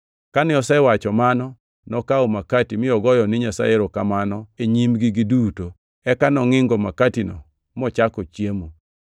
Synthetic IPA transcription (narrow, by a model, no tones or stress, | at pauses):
kanɪɔsɛwat͡ʃɔmanɔ | nɔkaomakatimɪɔɡɔjɔnɪɲasa̰eɾokamanɔeɲimɡɪɡɪduto | ɛkanɔŋɪŋɡɔmakatinɔ̰ | mɔt͡ʃakɔt͡ʃjemo